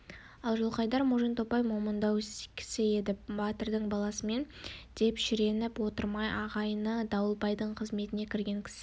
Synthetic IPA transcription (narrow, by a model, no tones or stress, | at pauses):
ɑlˠʒʊlˠqɑjd̪ɑɾmuʒint̪o̞pɑjmomənd̪ɑwskʲʰɪ̥sɪe̞d̪ɪbɑt̪əɾd̪əɴbɑlˠɑsəme̞n | d̪̥e̞pʃɪɾe̞nɪpwo̞t̪əɾmɑjʔɑʁɑjənəd̪ɑwəlˠpɑjd̪əɴqʰəzme̞t̪ɪne̞kʲʰɪɾɡʲe̞ŋkʲʰɪ̥sɪ